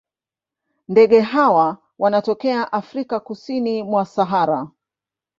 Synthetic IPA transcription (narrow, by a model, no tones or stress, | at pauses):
ndɛɠɛɦawa | wʔanatɔkɛaʔafɾikakusinimwasaɦaɾa